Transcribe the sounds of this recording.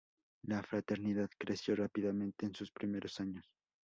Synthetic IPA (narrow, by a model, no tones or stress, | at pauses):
lafɾat̪e̞ɾniðaðkɾesjo̞rapiðamẽnt̪e̞ːnsuspɾime̞ɾʔo̞saɲos